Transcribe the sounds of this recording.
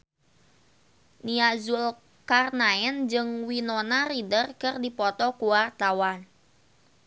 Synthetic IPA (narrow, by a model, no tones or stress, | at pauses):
niazul | karnaɛnd͡ʒɨŋwinonaridərkɨrdipɔt̪ɔkuwart̪awan